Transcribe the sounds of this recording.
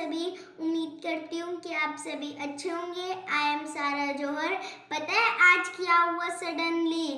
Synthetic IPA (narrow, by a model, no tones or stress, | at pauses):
ɐbʱi | ʊmːiːd̪̚kɐɾt̪iɦũkiaːpsebʱiʔɐtːʃʰeɦõːŋɡeaːjəmsaːɾad͡ʒoːɾpɐt̪aɛʔaːd͡ʒkjaːɦʊasɐɖənliː